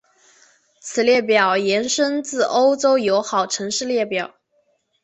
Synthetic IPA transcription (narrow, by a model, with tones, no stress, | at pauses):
t͡sʰɹ̩˨˩ljɛ˥˩p̬jɑ˨˩ʊjɛ˧˥nʂə˥nt͡sɹ̩˥˩ʔo˥ʊʈ͡ʂo˥ʊjo˧˥ʊxɑ˨˩ʊʈ͡ʂʰɤ˧˥ŋʂɻ̩˥˧ljɛ˥˩pjɑ˨˩˦ʊ